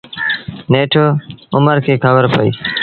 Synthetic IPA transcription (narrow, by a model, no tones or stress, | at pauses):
neːʈʰoːʊməɾkʰeːkʰəbəɾpəḭː